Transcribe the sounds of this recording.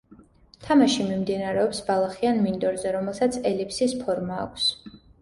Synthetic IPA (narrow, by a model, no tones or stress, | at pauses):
t̪ʰamaʃimimd̪inaɾɛɔpsbalˠaχianmind̪ɔɾzɛɾɔmɛlˠsat̪sʰɛlipʰsispʰɔɾma̰ːkʷʰs